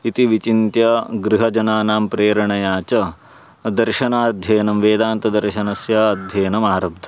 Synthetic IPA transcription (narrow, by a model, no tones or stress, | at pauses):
it̪iʋit͡ʃint̪jɐɡɾiɦɐd͡ʒɐnaːnaːmpɾeːɾɐɳɐjaːt͡ʃɐ | d̪ɐɾʃɐnaːd̪ʱjɐːnɐmʋeːd̪aːnt̪ɐd̪ɐɾʃɐnɐsjɐɐd̪ʱjɐːnɐmaːɾɐb̚d̪ʱɐ